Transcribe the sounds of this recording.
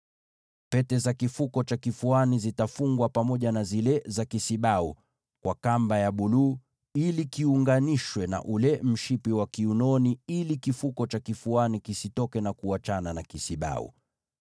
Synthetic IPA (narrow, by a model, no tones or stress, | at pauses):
pɛtɛzakifukɔt͡ʃakifuanizitafuŋɡwapamɔʄanazilɛzakisiɓaṵ | kwʔakambajaɓulu | ilikiuŋɡaniʃwɛna̰ʔulɛm̩ʃipiwakiunɔniilikifukɔt͡ʃakifuanikisitɔkɛnakuat͡ʃananakisiɓa̰ṵ